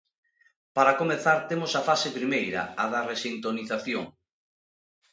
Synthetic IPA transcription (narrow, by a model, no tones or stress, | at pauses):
paɾakomeθaɾt̪emosafasepɾimejɾɐ̰aðaresint̪oniθaθjoŋ